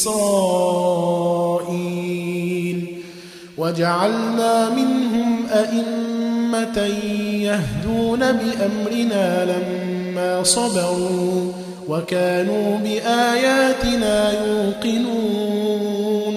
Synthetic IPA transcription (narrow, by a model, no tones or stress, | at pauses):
ɾɑː | ʔiː | l | wad͡ʒaʕalnaːmɪnɦʊmʔaʔɪmːat̪ajahd̪uːnabɪʔamɾɪnaːlamː | aːsˤɑd̪ɑɾuː | wakaːnuːbɪʔaːjaːt̪ɪnaːjuːqɪnuː